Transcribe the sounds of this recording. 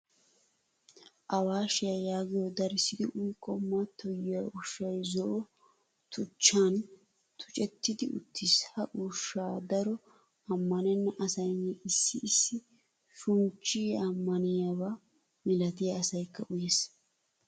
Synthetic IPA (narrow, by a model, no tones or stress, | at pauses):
ʔɐwaːʃɪjɐjaːɡɪjɔd̪ɐɾɪsɪd̪ɪʔʊjkʼːɔmɐt̪ʰːɔjɪjaʊʃːɐjzɔʔɔ | t̪ʰʊt͡ʃːaːn | t̪ʰʊ̥t͡ʃʼɛt̪ːɪd̪ɪʊ̰t̪ʰːɪshɐʔʊʃːaːd̪ɐɾɔ | ɐmːɐnɛnːɐʔɐsɐjnːɛʔɪsːɪːsːɪ | ʃʊnt͡ʃːiːɐmːɐnɪjawaː | mɪlɐt̪ɪjɐːsɐjkːɐʔʊjeːs